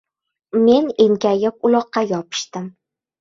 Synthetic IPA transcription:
me̞neŋkʲʰajɪp̚ʊlˠɒqːɑjɒpʰɪ̥ʃt̪ɪm

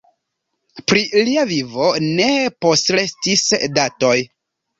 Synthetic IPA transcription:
pɾiliavivo̞ne̞po̞stɾe̞stisdato̞j

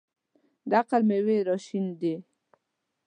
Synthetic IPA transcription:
d̪aqalmeweɾɔʃind̪e

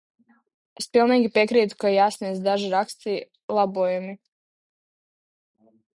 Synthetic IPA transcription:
espilˠniːɡʲipekɾiːt̪u̥kajaːsniɛzd̪aʒiɾakst̪iː | lˠabuːjami

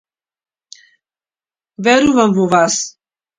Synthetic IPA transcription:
vɛɾuvamvuvas

